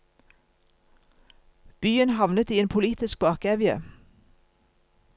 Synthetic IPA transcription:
b̥yːənhɑʋnət̪iːeːnpʰʊliːt̪ɪsk̚bɑːkɛːʋɪə̰

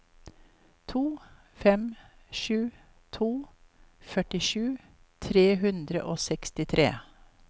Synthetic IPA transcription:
t̪ʰuː | fɛmʃʉː | t̪ʰuː | fœʈɪʃʉː | t̪ʰɾeːɦʉnd̪ɾə̰ʔoːsɛkst̪ɪt̪ʰɾʔḛː

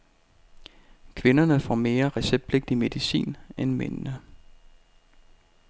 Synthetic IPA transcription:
kʰʋe̝nɐnəfɒ̰me̝ːɐʁɛseb̥̚pʰle̝ɡ̥̚d̥ime̝ðˠisḭːnenmḛnnə

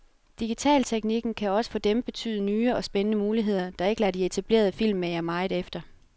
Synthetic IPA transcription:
d̥iɡ̥it͡sʰɛ̰ːlt͡sʰeɡ̥niɡ̥n̩kʰæɒ̽sə̥fɒ̽d̥emb̥e̝t͡sʰy̰ːð̩ˠənyːɒ̽sb̥enənəmuːliɦe̝ð̞̰ˠɐd̥ɑ̈e̝ɡ̥əlæd̥iet͡sʰæb̥le̝̰ːɐð̞ˠfil̰mːejæmɑ̈ɪðˠefd̥ɐ

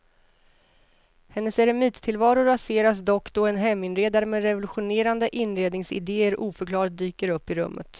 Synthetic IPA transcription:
hɛnːəsɛɾɛmiːt̪t̪ʰɪlvɑːɾʊɾaseːɾasd̪ɔkːd̪ɔɛnɦɛmːɪnɾeːd̪aɾəmɛɾɛvʊlɵɧʊneːɾand̪əʔɪnːɾeːd̪nɪŋsɪ̰d̪eːəɾʔuːfœkʰlɑːɭt̪̚d̪yːkəɾɵpːɪɾɵ̰mːə̰t̪

